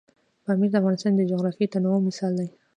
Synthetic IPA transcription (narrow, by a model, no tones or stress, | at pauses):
pamiɾd̪afɣɑnɪst̪ɑnd̪əd͡ʒoɣɾɑfit̪anawomːɪsɑld̪aj